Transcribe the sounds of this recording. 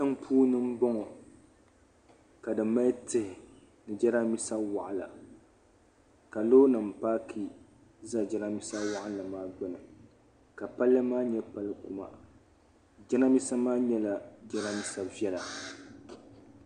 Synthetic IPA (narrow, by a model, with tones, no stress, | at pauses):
tɨ˦ŋpʰuː˦nɨ˦m̩˦bɔ˦ŋɔ˨ | ka˨dɨ˨ma˦tɨ˦hɪ˨ | nɨ˨d͡ʒɛ˦ɾa˦mi˦sa˦wa˨ʔa˨la˨ | ka˨loː˦nɨ˨m̩˨paː˦kʰi˦ | za˦d͡ʒɛ˦ɾa˦mi˦sa˦wa˦ʔɪ˦la˨maː˦ɡ͡bɛ˦nɨ˨ | ka˨pa˦lːɨ˦maː˦ɲɛ˦pa˦lɨ˦ku˨ma̰˨ | d͡ʒɛ˦na˦mi˦sa˦maː˦ɲɛ˦la˨d͡ʒɛ˦ɾa˦mi˦sa˦vi˦ɛ˦la˨